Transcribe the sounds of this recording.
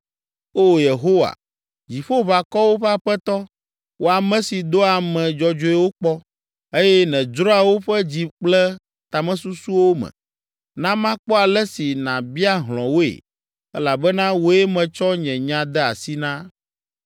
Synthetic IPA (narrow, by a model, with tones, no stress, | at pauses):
o˦˨je˨ɦo˦wa̰˨ | d͡ʑi˨ɸo˦βa˨kɔ˦wo˦ɸɛ˦a˨ɸɛ˦t̪ɔ˦ | wo˦a˨mɛ̃˦si˨d̪o˦a˨mɛ̃˨d͡ʒɔ˨d͡ʒo˦e˦wo˦k͡pɔ˦ | e˦jɛ˦nɛ̃˨d͡ʒɾɔ˦a˨wo˦ɸɛ˦d͡ʑi˨k͡plɛ˦ | t̪a˨mɛ̃˦su˦su˦wo˦mɛ̰̃˨ | nã˦mã˦k͡pɔ˦a˨lɛ˦si˨nã̰˨bi˦a˦ɦlɔ̰̃˨wo˦ḛ˨ | ɛ˦la˨bɛ˦nã˦wo˦e˦mɛ̃˨t͡ʃɔ˦ɲɛ̃˨ɲã˨d̪ɛ˦a̰˨si˦nã˦